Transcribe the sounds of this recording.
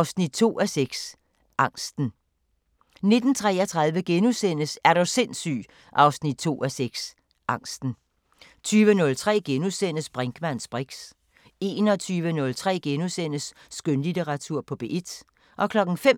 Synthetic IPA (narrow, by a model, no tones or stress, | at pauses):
ʊsnid̥̚t͡sʰo̝̰ːæseɡ̥s | ʔɑ̈ŋ̰sd̥n̩ | ne̝d̥n̩t͡sʰʁɛ̰ːɒt͡sʰʁɑ̈ð̞ˠʋəɡ̥enusen̰əsæɐɾ̥ose̝n̰sy̰ː | ʔɑ̈ʊsnid̥̚t͡sʰo̝̰ːæseɡ̥s | ʔɑ̈ŋ̰sd̥n̩ | t͡sʰyːʋənɔ̽lt͡sʰʁɛ̰ːɡ̥enusen̰əsb̥ʁaŋɡ̥mæn̰sb̥ʁeɡ̥s | e̝ːnɒ̽t͡sʰyːʋənɔ̽lt͡sʰʁɛ̰ːɡ̥enusen̰əsː | ɡ̥ønlideʁɑ̈t͡sʰuɐ̰pʰɒ̽b̥e̝ʔed̥ | ʔɒ̽kʰlɒ̽ɡ̥n̩fem